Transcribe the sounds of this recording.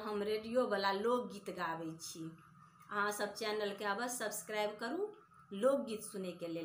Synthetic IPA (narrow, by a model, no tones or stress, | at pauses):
ɦəmɾeɖijobəlalok̚ɡit̪ɡabɛt͡ʃʰi | əɦãsəbt͡ʃɛnəlkeabəsəbskɾajbkəɾu | lok̚ɡit̪sunekelel